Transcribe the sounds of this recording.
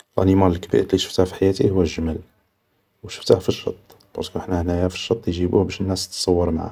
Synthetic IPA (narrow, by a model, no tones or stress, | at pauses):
lʔæ̰nimɑləlkbḭʔt̪liʃə̥ft̪ahfi̥ħajæt̪ihʊwːæʒəmæl | wʃə̥ft̪ahfiʃɑ̰t̪ˤː | b̥ɑ̰ɾˤskuəħnæhnæjæfi̥ʃːɑt̪ˤːjʒibuhbæʃənːæst̪ːsˤɑwːəɾmaʕa̰